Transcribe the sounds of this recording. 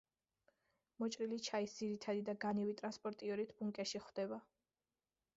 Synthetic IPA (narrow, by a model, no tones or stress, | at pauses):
mɔt͡ʃʼɾilit͡ʃʰaisd̪ziɾit̪ʰad̪id̪aɡaniwit̪ʼɾanspʼɔɾt̪ʼiɔɾit̪ʰbuŋkʼɛʃiχvd̪̥ɛba